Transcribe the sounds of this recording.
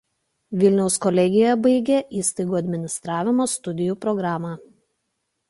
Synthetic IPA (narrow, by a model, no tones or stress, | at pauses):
ʋʲɪlʲnʲɛʊskɔlʲɛɡʲɪjjɛbɐɪɡʲeʔiːst̪ɐɪɡuːɐd̪ʲmʲɪnʲɪst̪ɾɑːʋʲɪmoːst̪ʊd̪ʲɪjuːpɾɔɡɾɑːmɑː